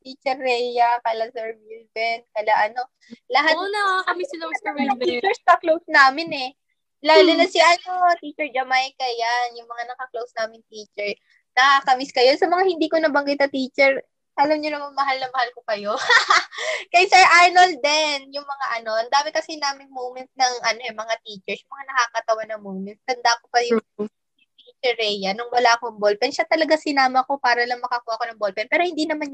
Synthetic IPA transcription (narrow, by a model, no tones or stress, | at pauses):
t̪it͡ʃɛɾːɛjɐkɐlɐsɛɹbilbɛnkɐlaʔɐno̞ | lɐɦatɐmisnɐmsɐmt͡ʃɛɹsɐklowsnaːmɪnɛ | lalɪnɐsiʔɐno̞t̪it͡ʃɛɹd͡ʒɐmajkɐjanjʊŋmɐŋanɐkɐklowsnaːmɪnt̪iːt͡ʃɛɹ | nɐkɐkɐmɪskɐjonsɐmɐŋahɪnd̪iːkonɐbɐŋɡɪt̪̚nɐt̪iːt͡ʃɛɹ | ʔɐlɐmɲonɐmanmɐɦalnɐŋmɐhalkokɐjo̞ | kɐjsɛʔajnold̪ɛnjʊŋmɐŋaʔɐno̞ʔɐnd̪aːmɛkɐsɛnaːmɪŋmowmɛnt̪̚nɐŋʔɐno̞ʔɛmɐŋat̪iːt͡ʃɛɹjʊŋmɐŋanɐkakɐt̪ɐwanːɐŋmowmɛnt̪̚t̪ɐnd̪akopɐjʊŋ | jʊt̪it͡ʃɛɹːɛjɐnʊŋwɐlaʔkoŋbolpɛnʃat̪ɐlɐɡasɪnaːmɐko̞paːɾɐlɐŋmɐkɐkuːwaʔɐko̞nɐŋbolpɛnpɛːɾo̞hɪnd̪inɐman